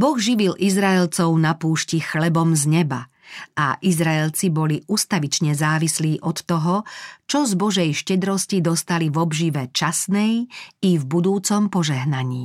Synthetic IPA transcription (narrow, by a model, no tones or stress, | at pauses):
bɔɣʒiʋilʔizɾaɛlt͡sɔʊnapuːʃcixlɛbɔmzɲɛba̰ | a̰ʔizɾaɛlt͡sibɔliʔust̪aʋit͡ʃɲɛzaːʋisliːʔɔt̪ːɔɦɔt͡ʃɔzbɔʒɛjʃcɛd̪ɾɔscid̪ɔst̪alivɔbʒiʋɛt͡ʃasnɛjivbud̪uːt͡sɔmpɔʒɛɦnaɲiː